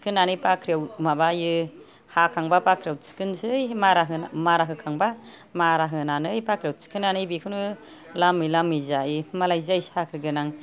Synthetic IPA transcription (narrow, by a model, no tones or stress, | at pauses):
kʰɯnːanɯjpakʰɾiawmabajɯ | hakʰaŋbapakʰɾawsi̥kɯnsɯjmaɾaɦɯnamaɾaɦɯkʰaŋba | maɾaɦɯnanɯjpakʰɾiawsi̥kʰɯnanɯjbikʰɯnu | lamɯjlamɯjzajmalajzajshakʰɾɡɯnaŋ